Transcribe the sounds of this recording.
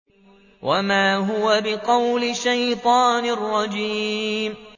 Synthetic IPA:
wʔamaːɦʊwabɪqɑwlɪʃajt̪ˤɑːnɪrˤːɑd͡ʒiːm

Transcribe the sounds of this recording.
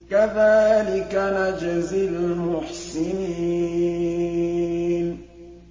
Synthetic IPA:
kaðaːlɪkanad͡ʒazilalmʊħsɪniː | n

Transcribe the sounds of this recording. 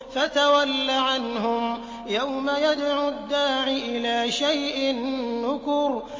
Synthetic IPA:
fat̪awalːaʕanɦʊm | jawmajad̪ʕʊad̪ːaːʕɪʔɪlaːʃajʔɪnːʊkʊɾ

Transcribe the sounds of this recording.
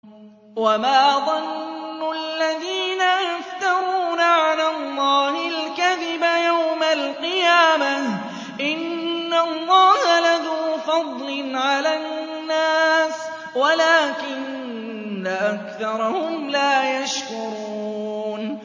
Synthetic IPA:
wamaːðˤɑnːʊʔalːaðiːnajaft̪ɑɾˤuːnaʕalaːlˤːɑːhɪlkaðɪbajawmalqɨjaːmah | ʔɪnːalˤːɑːhalaðuːfɑd̪ˤlɪnʕalannːaːs | walaːkɪnː | aʔakθɑɾˤɑhʊmlaːjaʃkʊɾuːn

